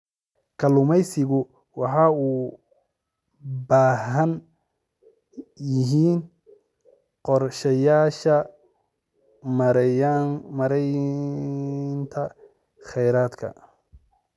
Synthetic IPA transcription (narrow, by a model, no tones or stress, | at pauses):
kʰɐlʊmɛjsɪɣʊ | wɑħɑːuː | baːɦɐn | jɪɦiːn | qɔrʃɐjaːʃɐ | mɐɾɛj | nt̪ʰɐ | χɛjɾaːd̪kʰɐ̰